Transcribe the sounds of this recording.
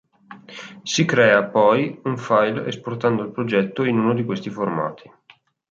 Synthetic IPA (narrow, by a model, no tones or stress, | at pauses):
sikɾɛːapɔjuɱfajlḛsport̪and̪oilpɾod͡ʒɛt̪ːoinuːnod̪ikwest̪iforma̰ːt̪ʰi̥